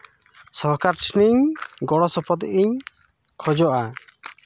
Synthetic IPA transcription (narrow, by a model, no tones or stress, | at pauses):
sɔɾkaɾʈʰniɲɡɔɽɔsɔpʰɔd̪ʔiɲ | kʰɔd͡ʒɔʔa